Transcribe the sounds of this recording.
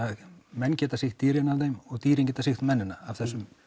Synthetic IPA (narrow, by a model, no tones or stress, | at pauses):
amɛnːcɛːt̪asɪxt̪ːiːɾɪnavðejmɔɣt̪iːɾiŋcɛːt̪asɪxt̪mɛnːɪnaːvθɛsːʏm